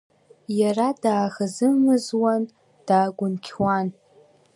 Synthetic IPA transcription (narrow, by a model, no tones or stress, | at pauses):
jaradaːɣazɨmɨzwan | d̥aːɡʷʊnkʲʰwan